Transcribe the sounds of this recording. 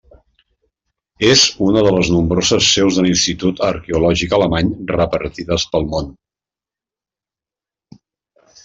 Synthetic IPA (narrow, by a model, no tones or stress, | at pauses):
ezunəðələznumbɾozəsːewzðəlinst̪it̪ut̪əɾkeulɔʒikələmaɲrəpəɾt̪iðəspəlˠmon